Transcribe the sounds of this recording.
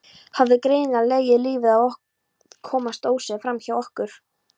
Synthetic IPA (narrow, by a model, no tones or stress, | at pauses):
havðɪkɾeːjnɪnaleːjɪliːvɪðawɔh | kʰːɔːmast̪oːwsɛfɾamçawɔhkʏɾ̥